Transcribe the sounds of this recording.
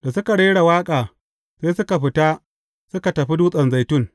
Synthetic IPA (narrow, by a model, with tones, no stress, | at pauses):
da˨sʊ˦ka˨ɽeː˦ɽa˨waː˦kʼaː˨ | seː˦sʊ˦ka˨ɸɪ˨ta˦ | sʊ˦ka˨tɐ˨ɸi˦duː˦sʼɐ˨nza˨jtʊ˦ŋ